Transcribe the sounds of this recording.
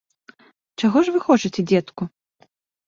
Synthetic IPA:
t͡ʂaɣɔʐvɨxɔt͡ʂɐt͡sʲɛd͡zʲɛt̪ku

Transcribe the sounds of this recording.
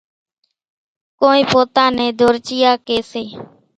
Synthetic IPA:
koːĩːpoːt̪ãːnẽːd̪ʱoːɾt͡ʃɪjaːkeːseː

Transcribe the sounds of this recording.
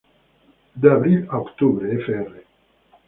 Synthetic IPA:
d̪abɾilokt̪ubɾeefere

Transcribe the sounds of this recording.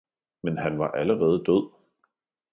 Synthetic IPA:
menɦænʋɑ̈ʔæləʁɛːð̞ˠd̥øð̰ˠ

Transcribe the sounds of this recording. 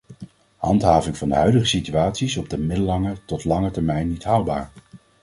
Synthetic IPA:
hɑ̰ntɦaːvɪŋvɑndəɦœɥdəχəsityaːtsisɔb̚dəmɪdəlɑŋətɔtlɑŋətɛɹmɛjnːitɦɑwba̰ːɹ

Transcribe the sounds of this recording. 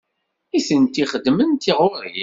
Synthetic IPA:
isənt̪iχəd̪ːmənt̪iʁʊɾji

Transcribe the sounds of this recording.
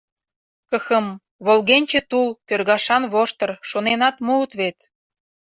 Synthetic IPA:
kəxəm | βolɣenʲt͡ɕĕt̪ulkørɣɑʃɑnβoʃt̪ə̆rʃonenɑt̪muːt̪βet̪

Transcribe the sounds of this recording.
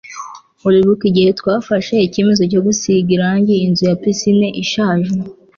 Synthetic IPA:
uɾiβukiɟihe̞twaːfaʃeice̞me̞zoc̬o̞ɡusiɡiɾaɲɟiːnzujapisineʔiʃaːʒe

